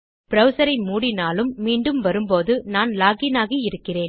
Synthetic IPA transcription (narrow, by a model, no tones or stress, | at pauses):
pɪɾɐʋɯsɐɾɐɪmuːɽɪnaːlɯmːiːɳɖɯmʋɐɾɯmpoːðɯnaːnlaːɣɪnaːɣiɪɾɯkːɪreːn